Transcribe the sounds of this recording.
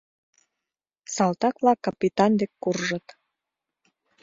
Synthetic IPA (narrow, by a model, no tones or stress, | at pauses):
sɑlt̪ɑkvlɑkːɑpit̪ɑnd̪ekːurʒət̪